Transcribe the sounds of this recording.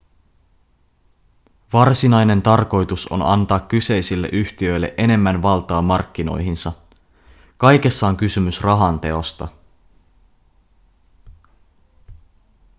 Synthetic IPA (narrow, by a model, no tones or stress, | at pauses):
ʋɑrsinɑjne̞nt̪ɑrko̞jt̪uso̞̰nɑ̰nt̪ɑːkːyse̞jsilːe̞̰ʔyçt̪iø̞jlːe̞̰ʔe̞ne̞mːænʋɑlt̪ɑːmɑrkːino̞̰jɦinsɑ | kɑjk̟e̞sːɑoŋkysymysrɑɦɑnt̪e̞o̞st̪ɑ̰